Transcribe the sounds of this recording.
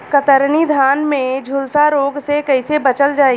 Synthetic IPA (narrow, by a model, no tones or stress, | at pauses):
kət̪əɾnid̪ʱaːnmẽd͡ʒʱʊlsaɾoːɡsekɐɪsebɐt͡ʃəld͡ʒaːi